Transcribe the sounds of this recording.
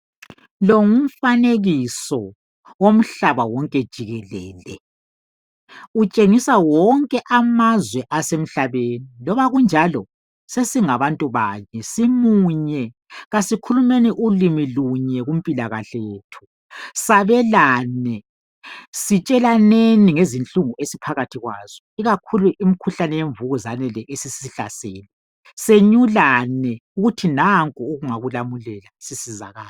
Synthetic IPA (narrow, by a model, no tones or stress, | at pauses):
loŋum̩faneɣisɔ | om̩ɬaβawɔŋkʼɛd̥ʒ̥ʱiɣɛlɛ̰ːlɛ̰ | ut͡ʃʼeŋisawɔŋkʼɛʔamazwɛʔasem̩ɬaβenilɔβaɣund͡ʒʱalɔ | sesiŋaβantʼuβa̰ɲɛsimuɲɛ | ɣasikʰulumeniʔulimiluɲɛɣum̩pʼilaɣaɬɛjetʰu̥ | saβɛlaːnɛ | sit͡ʃʼɛlaneniŋezint͡ɬʼuŋuesipʰaɣatʰiɣwa̰ːz̥ɔiɣakʰuluʔimikʰuɬanɛjeɱvuɣuzanɛlɛʔesisiɬa̰seːlɛ | seɲulanɛuɣutʰinaŋkʼuuɣuŋaɣulamulɛlasisiza̰ɣaːl